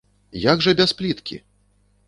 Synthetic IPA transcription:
jaɡʐɐbʲasplʲit̪kʲḭ

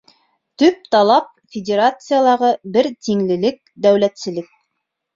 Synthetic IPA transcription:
t̪ɵp̚t̪ɑlˠɑp̚fʲɪdʲeɾat̪sɨjalˠɑʁɤbɘɾt̪iŋlɘ̆lɘk̚d̪æwlæt̪sɘ̆lɘk̚

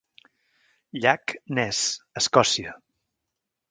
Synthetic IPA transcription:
ʎaknɛsəskɔsiə

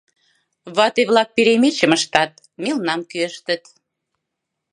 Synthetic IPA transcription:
βɑt̪eβlɑk̚piɾemet͡ɕə̆məʃt̪ɑt̪̚ | melnɑmkyəʃt̪ə̆t̪

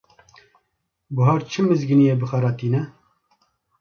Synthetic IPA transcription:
bʊɦɑːɾt͡ʃʰɨmɨzɡɨnijeːbɨxɑɾɑːt̪iːnɛ

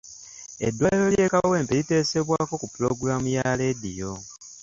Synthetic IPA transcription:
e̞̰dːwaelo̞lje̞ːkaβawe̞ːmpelite̞ːse̞βwaːko̞kupulo̞ɡuɾamujale̞dijo̞

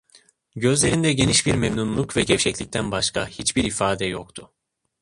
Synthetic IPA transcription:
ɟø̞zlʲe̞ɾind̪ɛɟe̞niʃbiɾmɛmnunlˠukvɛɟɛfʃɛclʲic̚t̪ʰænbaʃkʰahit͡ʃbiɾifaːd̪ɛjo̰kt̪ʰʊ

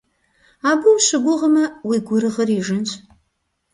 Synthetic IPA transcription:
aːbɨwuɕʷɪɡʷʊʁəmɐwiɡʷʊɾɨʁəriːʒɨnɕʷʰʼ

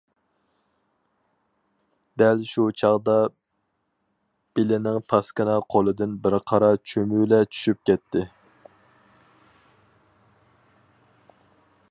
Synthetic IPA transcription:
d̪̥ɛlʃut͡ʃʰɑʁd̪ɑ | b̥ɪlɪnɪŋpʰɑskɨnɑqʰolˠɨd̪ɨnbɪɾqʰɑɾɑt͡ʃʰømylɛt͡ʃʰy̥ʃyp̚kʲɛt̪ʰːɪ

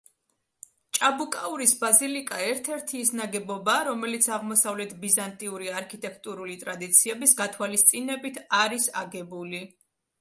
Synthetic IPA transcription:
t͡ʃʼabukʼauɾisbazilikʼaɛɾt̪ʰɛɾt̪ʰiːsnaɡɛbɔbaːɾɔmɛlit̪sʰaʁmɔsavlɛt̪ʰbizant̪ʼiuɾiaɾkʰit̪ʼɛkʰt̪ʼuɾulit̪ʼɾad̪it̪sʰiɛbisɡat̪ʰwalist̪sʼinɛbit̪ʰaɾisaɡɛbuli

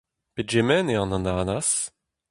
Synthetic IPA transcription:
petʒemɛneɑ̃nɑ̃nanas

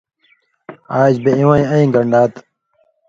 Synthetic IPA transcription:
aːd͡ʑbeĩwãːĩəĩːɡəɳɖaːt̪

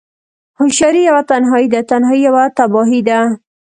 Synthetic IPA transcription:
hʊʃaɾijawat̪anɦɔid̪at̪anhɑijawat̪abɑɦid̪a

